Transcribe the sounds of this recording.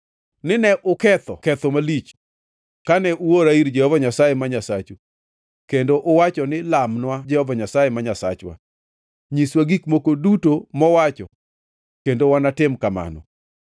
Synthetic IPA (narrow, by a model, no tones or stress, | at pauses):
nɪnɛʔʊkɛt̪ɔ̰kɛt̪ɔmalit͡ʃ | kanɛʔuoɾaiɾd͡ʒɛhɔvaɲasajemaɲasat͡ʃu | kendoʔʊwat͡ʃɔnɪlamnwad͡ʒɛhɔvaɲasajemaɲasa̰t͡ʃwa̰ | ɲiswaɡikmokodutomɔwat͡ʃɔ̰ | kendowanatɪmkama̰nɔ̰